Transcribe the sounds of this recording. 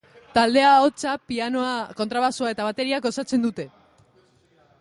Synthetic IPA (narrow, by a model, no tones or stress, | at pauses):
t̪ald̪e̞aot͡sapianoako̞nt̪ɾaβasuae̞t̪aβ̞at̪e̞ɾiaɡo̞sat͡se̞nd̪ut̪e̞